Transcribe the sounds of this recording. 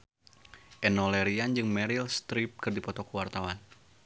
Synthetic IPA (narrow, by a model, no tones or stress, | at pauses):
ʔɛnɔlɛɾiand͡ʒɨŋmɛɾilst̪ɾip̚kɨrdipɔt̪ɔkuwart̪awan